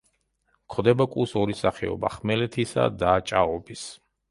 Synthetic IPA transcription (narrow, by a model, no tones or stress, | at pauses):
kʰɔd̪ɛbakʼusɔɾisaχɛɔ̰ba̰χmɛlɛt̪ʰisa̰d̪aːt͡ʃʼaɔbis